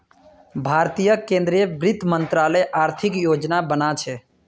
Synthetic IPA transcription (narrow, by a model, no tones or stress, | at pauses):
bʱaɾt̪ijəkẽnd̪ɾijəbɾɪt̪mənt̪ɾaləjʔaɾt̪ʰikjod͡ʒnabənat͡ʃʰɛ